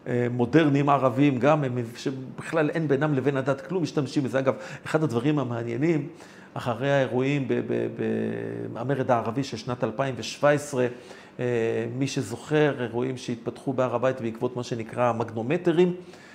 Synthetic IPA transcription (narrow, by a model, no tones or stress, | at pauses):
emo̞de̞ʁnimaʁavimɡamemʃebiχlalʔenbenamleve̞nadat̪klumːiʃtamʃimezeaɡaveχad̪ad̪vaʁimameanje̞nim | aχaʁeaeʁuimbebḛbḛameʁedaːʁaviʃelʃnat̪alpaimveʃv̥aesʁe̞ | miʃe̞zo̞χe̞ʁeʁuimʃeit̪̚patχubeaʁabajt̪beikvo̞t̪maʃe̞nikʁamaɡno̞me̞teʁim